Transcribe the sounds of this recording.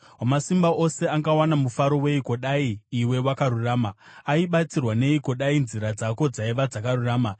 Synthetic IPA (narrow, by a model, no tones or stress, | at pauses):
wamasimbaose̞aŋɡawanamufaɾo̞we̞iko̞ɗaiːwe̞wakaɾuraːma | aiɓat͡sirwane̞iko̞ɗainziɾad͡zako̞d͡zaiʋad͡zakaruraːma